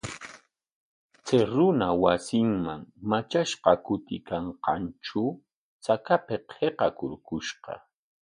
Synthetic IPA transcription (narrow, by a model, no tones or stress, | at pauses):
t͡seɾʊnawasɪŋmaŋmat͡ʃaʃqɑkʊt̪ɪ̰kaɴqɑ̰nt͡ʃʊ | t͡sakapeqʰeqɑkʊ̰ɾkʊʃqɑ̰